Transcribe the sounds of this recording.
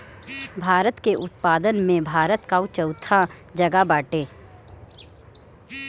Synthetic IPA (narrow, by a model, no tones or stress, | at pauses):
bʱaːɾət̪keʔʊt̪paːd̪ənmẽbʱaːɾət̪kaut͡ʃəʊt̪ʰa | d͡ʒɐɡabaːʈeː